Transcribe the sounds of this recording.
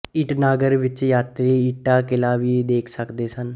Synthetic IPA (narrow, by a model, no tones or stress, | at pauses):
ɪʈnaːɡəɾʋɪt͡ʃjaːt̪ɾiːɪʈːaːkɪlaːʋiːd̪eːkʰsəkd̪eːsən